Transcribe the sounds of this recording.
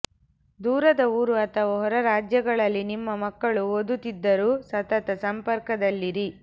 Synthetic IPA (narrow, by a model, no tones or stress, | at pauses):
d̪uːɾɐd̪ɐuːɾuɐt̪ʰɐʋɐɦɔɾɐɾaːd͡ʒjɐɡɐɭɐlːinimːɐmɐkːɐɭuod̪ut̪id̪ːɐɾuːsɐt̪ɐt̪ɐsɐmpɐɾkɐd̪ɐlːiɾi